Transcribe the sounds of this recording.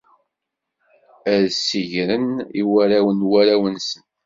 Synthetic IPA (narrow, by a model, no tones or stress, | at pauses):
æðsiʝɾəniwæɾæwənwæɾæwənsən